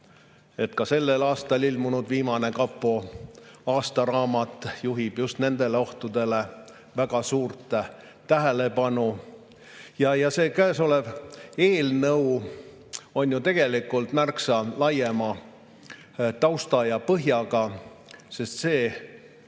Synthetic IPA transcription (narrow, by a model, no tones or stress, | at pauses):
et̪kɑse̞lːelɑːst̪ɑlilmunud̪̥viːmɑne̞kɑpːo | ɑːst̪ɑɾɑːmɑt̪ːˑjuɦib̥just̪ne̞nd̪̥e̞le̞o̞ht̪ud̪̥e̞le̞ | væɡ̥ɑsuːrt̪ | t̪æɦele̞pɑnu | jɑjɑse̞ːkæːso̞leve̞ːlnɤw | o̞njut̪e̞ɡ̥e̞likːˑult̪mærksɑlɑjemɑ | t̪ɑwst̪ɑjɑpɤɦjɑɡ̥ɑ | se̞st̪se̞ː